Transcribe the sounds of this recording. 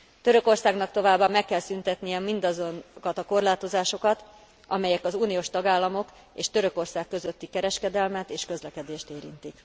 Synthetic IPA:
t̪ø̞ɾø̞ko̞rsaːɡnɒkt̪o̞vaːbːamɛkːɛlsynt̪ɛt̪nijɛmind̪ɒzonkɒt̪ɒko̞rlaːt̪o̞zaːʃo̞kɒt̪ | ʔɒ̰mɛjɛkɒzuːnijoːʃt̪ɒɡaːlːɒmo̞k | eːʃt̪ø̞ɾø̞ko̞rsaːkːø̞zøt̪ːikɛɾɛʃkɛd̪ɛlmɛt̪eːʃkø̞zlɛkɛd̪eːʃt̪eːɾḭnt̪ik

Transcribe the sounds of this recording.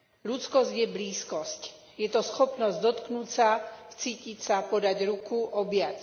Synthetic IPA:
lut͡skɔzɟjɛbliːskɔsc | jɛt̪ɔsxɔpnɔzɟd̪ɔt̪knut͡sat͡siːcicsapɔd̪aɟɾukuʔɔbɪat͡s

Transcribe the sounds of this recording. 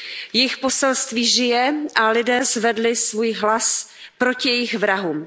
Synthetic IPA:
jɪxpo̞sɛlst̪viːʒɪjɛʔalɪdɛːzvɛdlɪsvuːjɦlaspɾo̞cɪjɛjɪxvɾaɦuːm

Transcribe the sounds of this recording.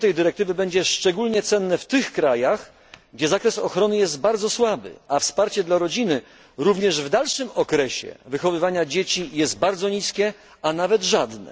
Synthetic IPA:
t̪ɛjd̪ɘɾɛk̚t̪ɘvɘbɛɲd͡ʑɛʂt͡ʂɛɡulɲɛt̪sɛnːɘft̪ɘxkɾajax | ɡd͡ʑɛzakɾɛsɔxɾɔnɘjɛst̪baɾd̪zɔswabɘ̰afspaɾt͡ɕɛd̪laɾɔd͡ʑinɘ | ɾuvɲɛʐvd̪alʂɘmɔkɾɛɕɛ̰vɘxɔvɘvaɲad͡ʑet͡ɕijɛst̪̚baɾd̪zɔɲiskʲɛ | anavɛd̪ʐad̪nɛ̰

